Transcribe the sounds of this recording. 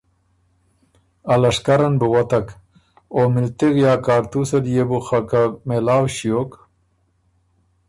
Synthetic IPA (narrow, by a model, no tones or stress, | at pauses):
alɐʂkaɾanbəwat̪ak | omɪlt̪iɣjaːkaːɾt̪usɐɾjebuxakamelaːwɕijok